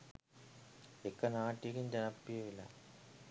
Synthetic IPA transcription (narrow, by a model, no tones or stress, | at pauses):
ekːɐnaːʈːikːind͡ʑɐnɐpːijɐʋilːɐ̰